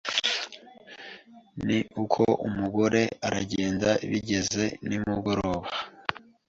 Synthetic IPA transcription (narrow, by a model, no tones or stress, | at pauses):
niʔukʰoʔumuɡo̞ɾe̞aɾaɟe̞ːndaiβiɟe̞ze̞nimuɡo̞ɾo̞ːβa